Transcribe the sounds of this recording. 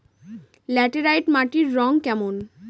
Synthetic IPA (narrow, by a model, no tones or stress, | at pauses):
lɛʈeɾajʈmaʈiɾːɔŋkɛmon